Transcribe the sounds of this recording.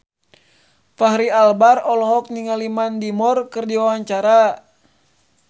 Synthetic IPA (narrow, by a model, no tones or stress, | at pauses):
faɦɾialbarɔlɔɦɔk̚niŋalimandimɔrkɨrdiwawaɲt͡ʃaɾa